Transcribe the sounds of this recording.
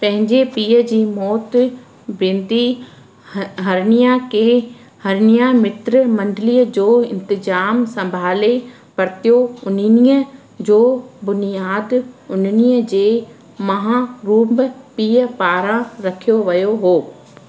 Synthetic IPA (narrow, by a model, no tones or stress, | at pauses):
pɐ̃ɦɪ̃ɲd͡ʑepiːəd͡ʑiːmɔːt̪ | bẽːnd̪i | ɦɐɾnijakʰe | hɐɾɪnijamɪt̪ɾmɐ̃nɖɪliːəd͡ʑoːɪ̃nt̪ɪd͡ʑaːmsɐ̃mbʱaːle | pɐɾt̪ijoʊnniə | d͡ʑoːbʊnijaːd̪ʊnnijəd͡ʑeː | mɐɦãɾuːmbpiːəpaːɾãɾɐkʰijoʋɐjoɦoː